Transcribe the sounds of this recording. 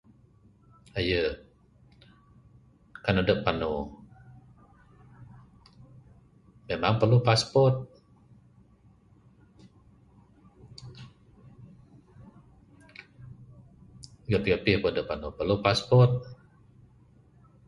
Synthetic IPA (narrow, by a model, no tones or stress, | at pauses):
ajə | kanadəpːanu | memaŋpərlupaspɔt̪̚ | ɡapiɡapihpədəpːanupəlupaspɔt̪̚